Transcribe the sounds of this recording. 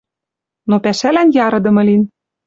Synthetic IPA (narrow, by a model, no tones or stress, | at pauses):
nopæʃælænjɑɾɤ̆d̪ɤ̆mɤ̆lin